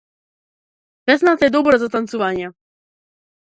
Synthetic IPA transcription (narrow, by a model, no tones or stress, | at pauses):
vɛznat̪ɛd̪ɔbɾɛzat̪ant̪sɔvaɲɛ